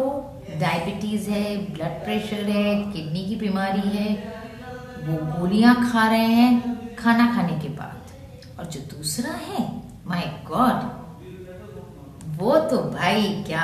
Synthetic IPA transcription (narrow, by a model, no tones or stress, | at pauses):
o | ɖaːɪbɪʈiːzɦɛblɐɖ̚pɾɛːʃəɾɦɛkɪʈnikibimaːɾiɦɛ | ʋoɡuːlijãkʰaːɾɐɦẽɦɛ̃kʰaːnakʰaːnekeba̰ːt̪ | ɔːɾd͡ʒoːd̪uːsɾaɦɛː | maːɪɡɔːɖ | ʋoːt̪obʱaːikjaː